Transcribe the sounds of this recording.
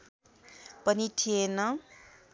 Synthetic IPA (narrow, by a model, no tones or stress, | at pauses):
pʌniʈʰijenʌ